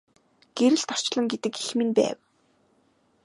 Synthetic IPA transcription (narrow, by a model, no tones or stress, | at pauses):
ɡ̥eɾɘ̆ɮt̪ʰɔr̥t͡ɕɮə̆ŋɡet̪ɘ̆kexmɘ̆npæ̰ːw